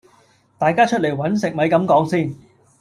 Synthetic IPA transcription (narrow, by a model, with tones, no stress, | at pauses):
t̪aː˨jkaː˥t͡ʃʰɵ˥t̚le˨˩jwɐ˨˥nsɪ˨k̚mɐ˨˧jkɐ˨˥mkɔː˨˥ŋsiː˥˩n